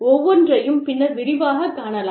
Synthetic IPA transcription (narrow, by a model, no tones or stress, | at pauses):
ɔʋːɔndrɐjɯmpɪnːɐɾʋɪɾɪʋaːɣɐkaːɳɐlaː